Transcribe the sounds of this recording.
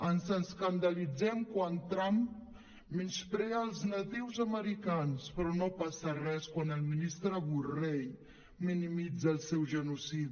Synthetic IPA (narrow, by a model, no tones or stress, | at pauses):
ənzənskand̪alid͡zɛmkwant̪ɾamp | minspɾɛəlˠznat̪iwzəməɾikanspɾɔnopasərɛskwanəlminist̪ɾəɣurej | minimid͡zəːlˠsɛwʒənusiði